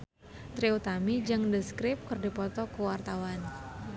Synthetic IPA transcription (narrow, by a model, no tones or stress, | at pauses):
t̪ɾiut̪amid͡ʒɨŋdəskɾɪp̚kərdipɔt̪ɔkuwart̪awan